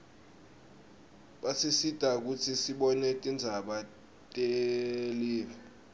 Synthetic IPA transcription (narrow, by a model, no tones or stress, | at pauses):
ɓasisid̥ʱak̬ut͡sʰisiɓɔnɛtʼind͡zʱaɓa | tʼeliːli